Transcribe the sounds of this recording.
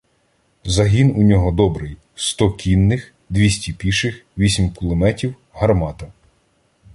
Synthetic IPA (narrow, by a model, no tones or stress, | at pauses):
zɐɦʲinunʲɔɦɔd̪ɔbɾɪj | st̪ɔkʲʰinːɪx | d̪ʲʋʲisʲtʲipʲiʃɪxʋʲisʲimkʊlˠɪmɛtʲiw | ɦɐrmɑt̪ɐ